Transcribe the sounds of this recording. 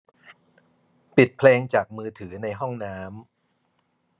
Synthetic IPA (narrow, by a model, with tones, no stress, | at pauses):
pi˨˩t̪̚pʰleː˧ŋt͡ɕaː˨˩k̚mɯː˧t̪ʰɯː˩˦na˧jɦɔ˥˩ŋnaː˦˥m